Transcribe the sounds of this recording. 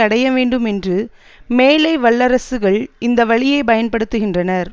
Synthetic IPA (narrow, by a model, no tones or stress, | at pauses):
ɐɽɐjɐʋeːɳɖɯmɛndrɯ | meːlɐɪʋɐɭːɐɾɐsɯɣɐɭɪnd̪ɐʋɐɭɪjɐɪpɐjɐnpɐɽɯt̪ːɯɣɪndrɐnɐɾ